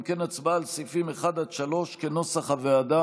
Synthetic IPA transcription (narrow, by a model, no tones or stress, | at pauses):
mkenat͡sbaːlsifimeχad̪ad̪ʃalo̞ʃkeno̞saχhavead̪a